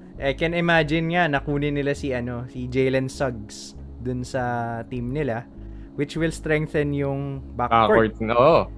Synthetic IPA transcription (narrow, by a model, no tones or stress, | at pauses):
ʔɛkɛnɪmad͡ʒɪnŋanɐkuːnɪnɪlasiʔɐno̞sid͡ʒejlɐnsɐɡ̚s | d̪ʊnsɐt̪imnɪla | wɪt͡ʃwɪlst̪ɾɛŋk̚θɐnjʊŋbakakooɹt̪̚no